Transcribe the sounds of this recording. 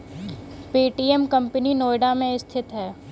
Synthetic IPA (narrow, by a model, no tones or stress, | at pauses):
piːʈiːemkɐmpəninoːjɖamẽɪst̪ʰɪt̪ɦɛː